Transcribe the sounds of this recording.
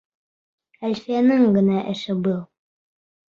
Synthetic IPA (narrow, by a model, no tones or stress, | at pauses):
ælʲfijænɘŋɡɘ̆næʔɘ̆ʃɘbɤlˠ